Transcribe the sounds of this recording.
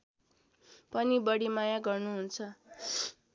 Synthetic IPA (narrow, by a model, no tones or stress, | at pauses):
pʌnibʌɽimajaɡʌrnuɦunt͡sʰʌ